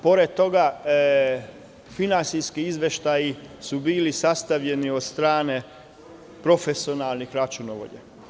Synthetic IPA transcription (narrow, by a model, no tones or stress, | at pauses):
po̞ɾed̪̚t̪o̞ɡa | finansiskiizʋjeʃt̪ajisubiːlisast̪aʋʎe̞niod̪st̪ɾaːne̞ | pɾo̞fesionalˠnixɾat͡ʃunoʋo̰ʎḛ